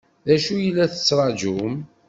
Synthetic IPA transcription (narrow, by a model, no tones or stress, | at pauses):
ðæʃujəlːæθə̥t͡sːɾˤɑd͡ʒum